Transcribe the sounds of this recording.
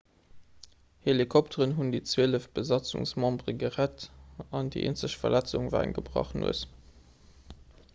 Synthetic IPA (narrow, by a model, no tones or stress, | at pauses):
helikʰɔp̚tʰəʁənɦundit͡sweələfb̥əzɑt͡sṵŋsmɑ̃mbʁəɡəʁætɑndḭʔḛːnt͡səɕfɐ̰læt͡suŋvæ̰ːʁə̰nɡəbʁɑ̰χənṵəs